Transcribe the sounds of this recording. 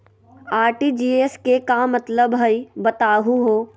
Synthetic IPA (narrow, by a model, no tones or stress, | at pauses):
aːɾʈiːd͡ʒiːeskekamət̪ləbɦəibət̪aːɦuɦoː